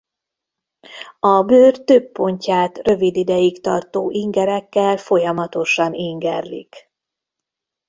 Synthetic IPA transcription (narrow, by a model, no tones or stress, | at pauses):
ɒbøːrt̪øpːo̞ɲcaːt̪rø̞vid̪id̪ɛjikt̪ɒ̰rt̪oːʔiŋɡɛɾɛkːɛlfo̞jɒmɒt̪o̞ʃɒniŋɡɛrlḭk